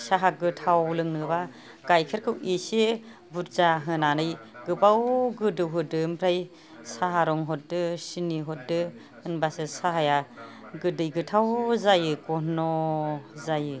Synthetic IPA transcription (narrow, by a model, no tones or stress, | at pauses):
saɦaɡɯtʰawlɯŋnɯba | ɡajkʰeɾkʰɯwise | buɾzaɦɯnanɯjɡɯbawɡɯdɯwɦɯdɯmpʰɾaj | saɦaɾɔŋɦɔt̚dɯsiniɦɔt̚dɯ | ɯnbasɯsaɦaja | ɡɯdɯjɡɯtʰawzajɯkɔnɔ | zajɯ